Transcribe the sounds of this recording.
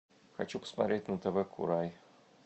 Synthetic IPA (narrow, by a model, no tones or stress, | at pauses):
xɐ̰t͡ɕupə̥smat̪ɾʲetʲnət̪əvɛkʰʊ̰ɾaj